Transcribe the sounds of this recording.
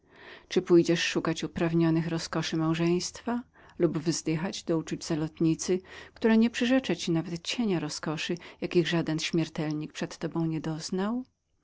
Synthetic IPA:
t͡ʂɘpujd͡ʑɛʂːukat͡ɕupɾavɲɔnɘxɾɔskɔʂɘmawʐɛj̃st̪fa | lubvzd̪ɘxad͡ʑd̪ɔut͡ʂud͡ʑzalɔt̪ɲit̪sɘkt̪uɾɛɲɛpʂɨʐɛt͡ʂat͡ɕinavɛt̪t͡ɕeɲaɾɔskɔʂɘjakʲiɣʐad̪ɛnɕmʲɛɾt̪ɛlɲik̚pʂɛt̪ːɔbɔ̃w̃ɲɛd̪ɔznaw

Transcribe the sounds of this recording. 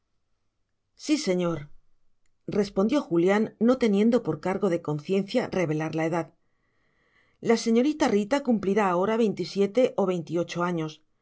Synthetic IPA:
sise̞ɲo̞ɾ | re̞spo̞nd̪jo̞xuljanːo̞t̪e̞nje̞nd̪o̞po̞ɾkaɾɣo̞ðe̞ko̞n̟θje̞nθjare̞βe̞laɾlae̞ðað | lase̞ɲo̞ɾit̪arit̪akumpliɾaːo̞ɾaβ̞e̞jnt̪isje̞t̪e̞ʔo̞βe̞jnt̪io̞t͡ʃo̞aɲo̞s

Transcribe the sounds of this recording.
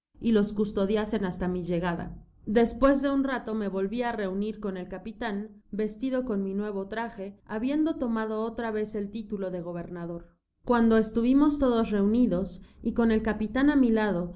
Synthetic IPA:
ilo̞skust̪o̞ðjase̞nast̪amiʝe̞ɣ̞aða̰ | d̪e̞spwe̞zðe̞unrat̪o̞me̞βo̞lβiare̞uniɾko̞ne̞lkapit̪an | be̞st̪iðo̞ko̞nminwe̞β̞o̞t̪ɾaxe̞aβje̞nd̪o̞t̪o̞mað̞o̞ot̪ɾaβe̞se̞lt̪it̪ulo̞ðe̞ɣ̞o̞β̞e̞ɾnaðo̞ɾ | kwand̪o̞est̪uβimo̞st̪o̞ðo̞sre̞uniðo̞siko̞ne̞lkapit̪anamilaðo̞

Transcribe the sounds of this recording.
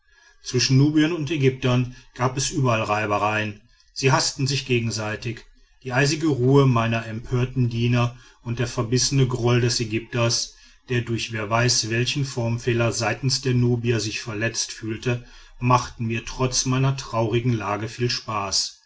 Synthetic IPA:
t͡sv̥ɪʃn̩nuːbiənʊntɛɡʏp̚tɐnɡ̥aːpɛsʔyːbɐalʁaɪbɐʁaɪən | z̥iːɦastn̩zɪçɡ̥eːɡŋ̩zaɪtɪç | d̥iːʔaɪzɪɡəʁuːəmaɪnɐʔɛmpʰøːɐtn̩diːnɐ | ʊnt̚d̥eːɐfɛɐbɪsənəɡʁɔldɛsɛɡʏp̚tɐs | d̥eːɐdʊɐçv̥eːɐvaɪsv̥ɛlçn̩fɔɐmfɛːlɐzaɪtn̩sd̥eːɐnuːbiɐzɪçfɛɐlɛt͡stfyːltə | maχtn̩miːɐtʁ̥ɔt͡smaɪnɐtʁ̥aʊʁɪɡŋ̩laːɡəfiːlʃpaːs

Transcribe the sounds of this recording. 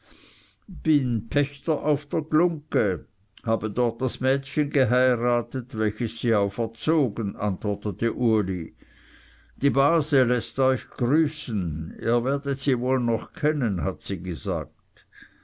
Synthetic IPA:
b̥ɪnpʰɛçtɐʔaʊfd̥eːɐɡlʊŋkə | haːbədɔʁt̚d̥asmɛːtçənɡəɦaɪʁaːtətvɛlçəsːiːaʊfɛɐt͡soːɡənʔantvɔɐtətəʔuɐli | d̥iːbaːzəlɛstɔʏçɡ̥ʁyːsən̩ḭːɐvɛːɐdətsiːvoːlnɔχkʰɛnənhatsiːɡəza̰ːk̚t

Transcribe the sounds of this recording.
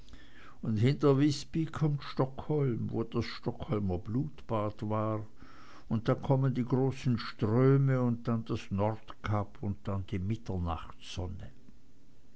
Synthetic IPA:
ʊndhɪntɐvɪspikʰɔmtʃtɔkhɔlmvo̰ːd̥asʃtɔkhɔlmɐbluːtb̥aːtv̥aːʁ | ʊnt̚d̥aːkʰɔməndiːɡʁoːsn̩ʃtʁ̥øːməʊnt̚d̥and̥asnɔʁtkʰapʰʊnt̚d̥andiːmɪtɐna̰χtz̥ɔnə

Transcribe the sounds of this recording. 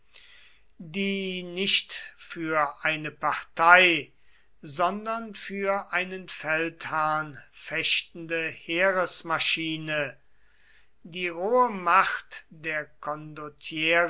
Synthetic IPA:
diːnɪʃtfyːɐʔaɪnəpaʁtʰaɪ | zɔndɐnfyːɐʔaɪnənfɛlthaɐnfɛʃtn̩dəheːʁəsmaʃiːnə | diːʁoːəmaχtd̥eːɐkʰɔndotʰjɛː

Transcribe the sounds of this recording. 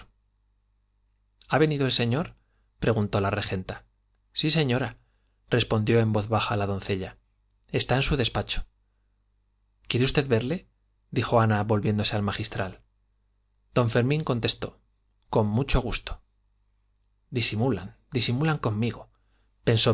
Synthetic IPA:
aβe̞niðoe̞lse̞ɲoɾ | pɾe̞ɣunt̪o̞lare̞xe̞nt̪a | sise̞ɲo̞ɾa | re̞spo̞nd̪jo̞e̞mbo̞θβaxalaðo̞nθe̞ʎa | e̞st̪aensuðe̞spat͡ʃo̥ | kje̞ɾeust̪e̞ðβe̞ɾle̞ | d̪ixo̞anaβo̞lβje̞nd̪o̞se̞almaxist̪ɾal | d̪̥o̞ɱfe̞ɾmĩŋko̞nt̪e̞st̪o̞̰ | ko̞mmut͡ʃo̞ɣ̞ust̪o̥ | d̪isimula̰nd̪isimulaŋko̞mːiɣo̞ | pe̞nso

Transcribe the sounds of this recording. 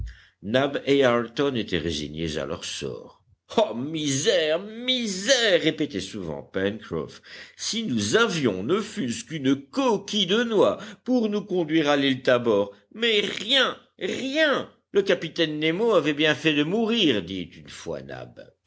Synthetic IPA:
nabeaʁt̪ɔnet̪ɛʁḛzḭɲḛza̰lœ̰ʁsɔ̰ːʁ | amizɛʁmizɛʁːepet̪ɛsuvɑ̰̃pɛnkχɔ̰fsinuzavjɔ̃nəfyskynəkɔkʲid̪ənwapuʁnukɔ̃d̪ɥiʁalilt̪abɔʁ | mɛʁjɛ̃ | ʁjɛ̃ | ləkapit̪ɛnːemoavɛbjɛ̃fɛd̪əmuʁiʁd̪it̪ynfwa̰na̰b

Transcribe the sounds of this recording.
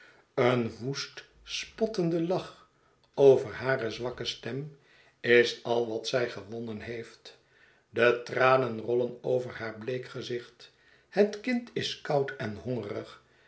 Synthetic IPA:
ənʋust | spɔtəndəlɑχ | owvəɹɦaːrəzʋɑkəstɛm | ɪsɑlˠʋɑtsɛjχəʋɔnənɦejft | dətraːnənrɔlənowvəɹhaːɹblejkχəzɪχt | hətkɪntɪskʌwtʰɛnhɔŋərəχ

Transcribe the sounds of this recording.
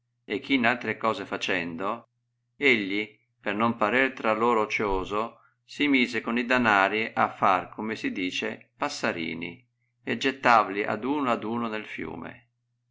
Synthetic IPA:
ekʰːinalt̪ɾekɔːzefat͡ʃɛnd̪o | eʎːi | pernompaɾirt̪ɾaloːɾoːt͡ʃoːzo | simiːzekonid̪anaːɾiʔafːarkʰomesid̪iːt͡ʃḛpasːaɾḭːnḭ | ɛd͡ʒet̪ːaːvaliʔa̰d̪uːnoad̪uːnonelfjṵːmḛ

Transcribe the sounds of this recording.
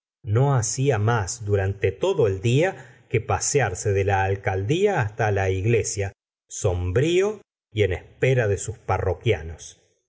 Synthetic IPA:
no̞asiamasd̪uɾant̪et̪o̞ðo̞eld̪iakepasjaɾseðelaːlkald̪iaːst̪alaiɣle̞sja | so̞mbɾio | ie̞nespeɾaðesusparokjanos

